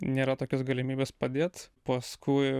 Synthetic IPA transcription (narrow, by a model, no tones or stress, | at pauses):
nʲeːɾɐt̪oːkʲʊsɡɐlʲɪmʲiːbʲeːspɐd̪ʲeːt̪pɐskʊɪ